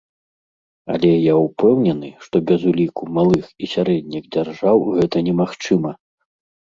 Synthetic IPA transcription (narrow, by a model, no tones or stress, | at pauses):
a̰lʲɛjaupɛwnʲɛnɨʂt̪ɔbʲɐzulʲikumalˠɨxisʲaɾɛd̪ʲnʲiɣd͡zʲarʐawɣɛt̪ɐnʲɛmaxt͡ʂɨmɐ